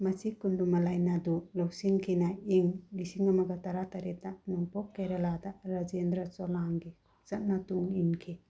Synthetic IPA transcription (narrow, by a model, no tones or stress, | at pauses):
masikundumalajnadulɔwsiŋkʰinaiŋɡisiŋamaɡat̪aɾat̪aɾɛt̚aʔnɔŋpɔkːeɾaladaʔɾad͡ʒend̪ɾasɔlaŋɡe | t͡ʃat̚natuŋinkʰe